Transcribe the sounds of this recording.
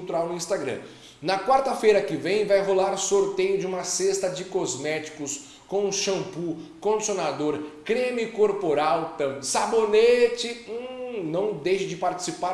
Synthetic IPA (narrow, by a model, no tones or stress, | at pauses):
t̪uɾawnʊĩst̪aɡɾɐ̰̃ | nɐkwaɾt̪ɐfejɾɐkɪvẽj̃vajɦolaɾsoɾt̪ejʊd͡ʒɪũmɐsest̪ɐd͡ʒɪkozmɛt͡ʃi̥kʊs | kõw̃ʃɐ̃pukõd͡ʒisjonad̪oɾkɾemikoɾpoɾawt̪ɐ̃sabonet͡ʃɪunɐ̃w̃d̪ejʃɪd͡ʒɪpaɾt͡ʃi̥sipa